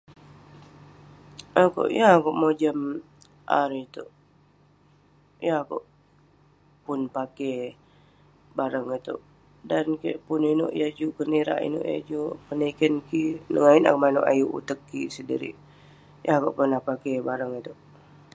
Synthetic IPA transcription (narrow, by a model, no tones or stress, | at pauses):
ako̰ʔjaakoʔmod͡ʒəm | ʔa̰ɾit̪uʔ | jakoʔ | pʊnpake | baɾəŋit̪ṵʔ | dankḛʔpunino̰ʔjad͡ʒuʔkəniɾa̰ʔḭno̰ʔja̰d͡ʒupənikənkinəŋaina̰kmanoʔa̰juʔṵt̪əkːisədḭɾḭʔ | jaakoʔpunːahpakebaɾəŋit̪uʔ